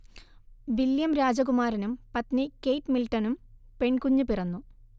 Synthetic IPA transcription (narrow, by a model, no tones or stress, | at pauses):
ʋiljɐmɾaːd͡ʑɐkumaːɾɐnumpɐt̪nɨke̞jʈmilʈːɐnumpe̞ɳkuɲːupirɐnːu